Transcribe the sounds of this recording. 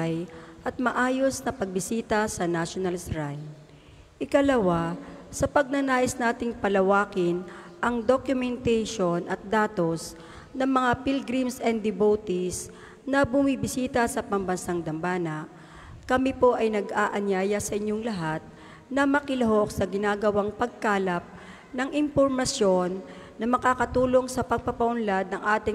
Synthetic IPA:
jʔɐt̪̚mɐʔaːjosnɐpɐɡ̚bɪsiːt̪ɐsɐnaʃonɐlsɾaj | ʔɪkɐlɐwasɐpɐɡ̚nɐnaːʔɪsnaːt̪ɪŋpɐlɐwaːkɪnʔɐŋd̪okjʊmɛnt̪ɛjʃonʔɐt̪̚d̪aːt̪o̞s | nɐŋmɐŋapilɡɾimsɛnd̪ɪbowt̪is | nɐbʊmibɪsiːt̪ɐsɐpɐmbɐnsaŋd̪ɐmbaːnɐ | kɐmipo̞ʔɐjnɐɡʔaːʔɐɲjaːjɐsɐʔɪɲjoŋlɐɦat̪̚ | nɐmɐkɪlɐɦo̞k̚sɐɡɪnaːɡɐwaŋpɐɡ̚kaːlɐp̚ | nɐŋʔɪmpoɾmɐsjo̞nː | ɐmɐkaːkɐt̪uːlo̞ŋsɐpɐɡ̚pɐpɐʔʊnlad̪̚nɐŋʔaːt̪ɪ

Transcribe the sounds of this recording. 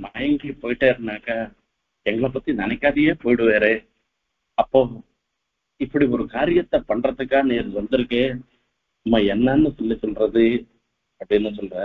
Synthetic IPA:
maːjɐŋɡepoːjʈeːɾnaːkɐ | kɛŋɡɐɭɐpɐt̪ːinɐnɐkːaːd̪ijeːpoːjɽuʋeːɾe | ɐpːoː | ipːɐɽiɔɾukaːɾjɐt̪ːɐpɐɳɖɾɐt̪ːɐkːaːneːɾud̪ɐnd̪ɐɾike | mɐjɛnːaːnːusulːisunɖɾɐd̪i | ɐpɽenːusunɖɾa

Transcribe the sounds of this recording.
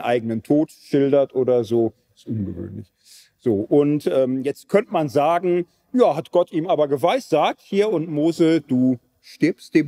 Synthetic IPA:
nʔaɪɡənəntʰoːtʃɪldɐtʔoːɾɐzoː | ɪstʔʊnɡəvø̰ːnlɪ̰ç | z̥oːʔʊntʔɛːmjɛt͡st̚kʰœntəmanzaːɡŋ̩ | jaːhatɡ̥ɔtiːmaːbɐɡəvaɪsz̥aːk̚thiːɐʊntmoːzəd̥uː | ʃtɪɐpstd̥eːm

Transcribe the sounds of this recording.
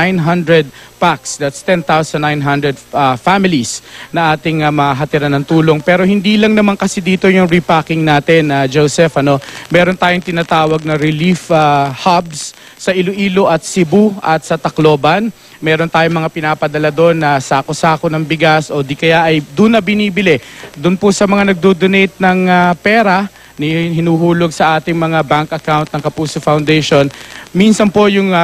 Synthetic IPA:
ajnɦɐnd̪ɹɛd̪̚paksd̪at̪st̪ɛnt̪awsɐnːajnɦɐnd̪ɹɛd̪ɐfamɪlisnɐʔaːt̪ɪŋɐmɐaɦɐt̪ɪɾanːɐŋt̪uːlo̞ŋpɛːɾo̞hɪnd̪iːlɐŋnɐmaŋkɐsɪd̪iːt̪o̞jʊŋɹipakɪŋnaːt̪ɪnɐd͡ʒowsɛfɐno̞mɛːɾo̞nt̪aːjoŋt̪ɪnaːt̪aːwɐɡ̚nɐɾɪlifahabs | sɐʔɪlʊʔiːlo̞ʔɐt̪̚sɪbuʔɐt̪sɐt̪ɐklo̞ːbɐn | mɛːɾont̪aːjoŋmɐŋapɪnaːpɐd̪ɐlad̪o̞nːɐsaːkosaːkonɐŋbɪɡasʔo̞d̪ikɐjaʔɐjd̪unːɐbɪniːbɪlɛd̪ʊnpʊsɐmɐŋanɐɡ̚d̪od̪onɛjt̪̚nɐŋapɛːɾɐ | nɪhɪnuːɦuːlo̞ɡ̚sɐʔaːt̪ɪŋmɐŋabaŋkʔɐkawnt̪̚nɐŋkɐpuːsofawnd̪ɛjʃo̞nminsɐnpojʊŋ

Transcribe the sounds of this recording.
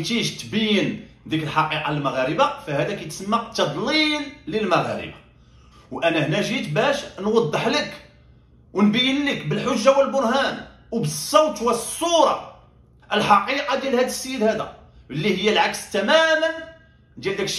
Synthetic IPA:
t̪iʒt̪bæjːən | d̪ikəlħɑqiqɑlmaɣæɾəbafæhæd̪ækæjt̪səmːaqt̪ːɑd̪ˤlilːəlmaɣæ̰ɾə̰bḁ | wʔænæhnæʒit̪bæʃnwɑd̪ˤːəħlək | wənbæjːənləkbəlħʊʒːawəlbʊɾˤhæn | wbəsˤːowt̪wæsˤːuɾˤɑ̰ | ʔəlħɑqiqɑd̪jælhæd̪əsːəjːəd̪hæd̪æ̰ | əlːihəjːælʕakst̪æmæmən | d̪æd̪æk

